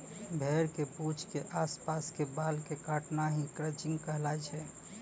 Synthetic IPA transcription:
bʱɛːɾkeput͡ʃʰkeʔaspaskebalkekaʈnaɦĩkɾət͡ʃɪ̃ŋɡkəɦlat͡ʃʰɛ

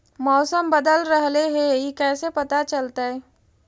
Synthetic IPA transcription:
mɔːsəmbəd̪əlɾəɦleɦejikɛːsepɐt̪at͡ʃɐlt̪aɦɛː

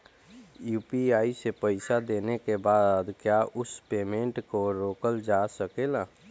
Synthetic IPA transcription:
juːpiaːisepəɪsad̪eːnekebad̪kjaʔʊspeːmẽɳʈkoɾoːkəld͡ʒasəkelaː

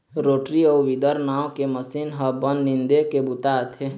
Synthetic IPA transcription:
ɾoːʈɾiɔːʋɪd̪əɾnaːõkeməsinɦəbənːɪ̃nd̪ekebʊt̪aːt̪ʰe

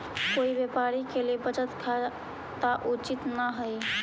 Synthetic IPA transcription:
koibjepaɾikelebət͡ʃət̪kʰa | t̪aʔut͡ʃit̪naɦəj

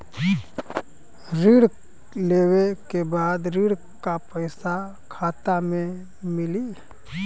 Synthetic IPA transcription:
ɾiːɽ | leːwekebaːd̪ɾiːɽ | kapəɪsa | kʰaːt̪amẽ | mɪli

